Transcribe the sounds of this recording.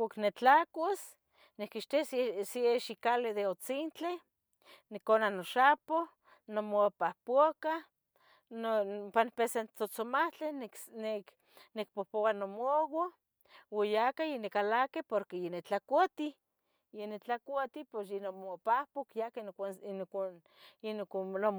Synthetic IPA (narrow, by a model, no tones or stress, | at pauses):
kʷaknet͡ɬakos | nekiʃt̪assieʃikaled̪eot͡sint͡ɬe | nekonanoʃapo | nomopahpoka | nopanpesent͡sot͡somaht͡ɬennek | nek̚pohpowanomowo | wojakajenekalakepoɾkejenet͡ɬakʷat̪i | jenet͡ɬakʷat̪iposjenomopahpokjakenan | enknom